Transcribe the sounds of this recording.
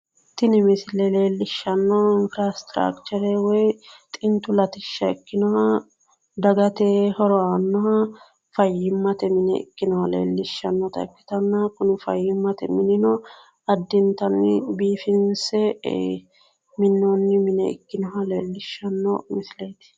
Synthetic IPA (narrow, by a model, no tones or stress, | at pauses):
t̪ɪnɪmɪslɛle̞ːlːɪʃːɐnːɔɪnfɾast̪ɾa̰kt͡ʃɛɾɛwɔjt̪ʼɪnt̪ʊlɐt̪ɪʃːɐɪkːɪnɔhɐ | d̪ɐɡɐt̪eːhɔɾɔanːɔhɐ | fɐjːɪmːɐt̪ɛmɪnɛ̰ɪ̰kːɪnɔhɐlḛːlːɪʃːɐnːɔt̪ɐ̰ɪkːɪ̥t̪ɐnːɐkʊnɪfɐjːɪmːɐt̪ɛmɪnɪnɔ | ɐd̪ːɪnt̪ɐnːɪ̰biːfɪnsɛ | mɪnːonːɪmɪnɛɪ̰kːɪnɔɦɐlḛːlːɪʃːɐnːɔ̰mɪsleːt̪ɪ̥